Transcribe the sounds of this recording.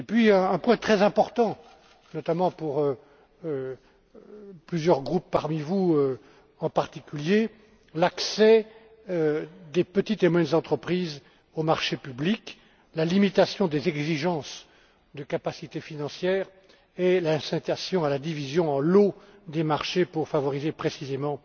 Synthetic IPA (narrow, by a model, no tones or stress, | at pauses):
epɥiɛ̃ːpwɛ̃t̪χɛzɛ̃pɔʁt̪ɑ̃ | nɔt̪amɑ̃puʁø | plyzjœʁɡʁupːaʁmivuø | ɑ̃paʁt̪ikʲylje | laksɛ | ød̪epət̪it̪emwɛnzɑ̃t̪χəpχiz | omaʁʃepyblik | lalimit̪asjɔ̃d̪ezɛɡziʒɑ̃s | d̪əkapasit̪efinɑ̃sjɛːʁ | elasɛ̃t̪asjɔ̃alad̪ivizjɔ̃ɑ̃lod̪emaʁʃepuʁfavɔʁizepχesizemɑ̃